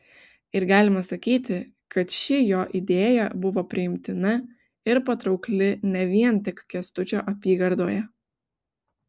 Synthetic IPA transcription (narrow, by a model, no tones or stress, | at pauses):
ɪɾɡɑːlʲɪmɐsɐkʲiːt̪ʲɪ | kɐt̪ʃʲɪjoːʔɪd̪ʲeːjɛ̰bʊʋoːpʲɾʲɪɪmʲt̪ʲɪnɐ | ɪɾpɐt̪ɾɒʊklʲɪnʲɛʋʲiɛnt̪ʲɪkkʲɛst̪ʊt͡ʃʲoːʔɐpʲiːɡɐɾd̪oːjɛ